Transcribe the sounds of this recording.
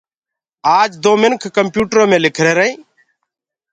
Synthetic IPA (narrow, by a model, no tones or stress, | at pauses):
aːd͡ʒd̪oːmɪnkʰːəmpjuːʈɾõːmẽːlɪkʰɾeːɾəĩː